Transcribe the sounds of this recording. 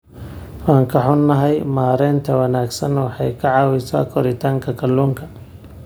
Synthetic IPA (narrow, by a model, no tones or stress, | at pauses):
wɑːŋkʰɐħʊnːɐɦɛjmaːɾɛːnt̪ʰɐwɐnaːɡsɐnwɑħɑjkʰɐʕɑːwɪsa̰ːkʰɔɾɪt̪ʰaːŋkʰɐkʰɐlːuːŋkʰɐ